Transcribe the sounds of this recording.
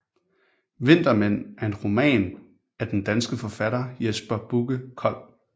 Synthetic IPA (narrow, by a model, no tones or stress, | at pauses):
ʋe̝n̰d̥ɐmen̰æɐe̝nʁo̝mɛ̰ːn | æɐd̥end̥ænsɡ̥əfɒ̽fæɾɐjesb̥ɐb̥uɡ̥əkʰɒ̽l̰